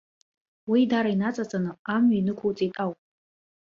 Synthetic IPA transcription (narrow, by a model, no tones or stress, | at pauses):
widaɾainat͡sʼat͡sʼanɨamɥainɨkʷʰowt͡sʼitʼawpʼ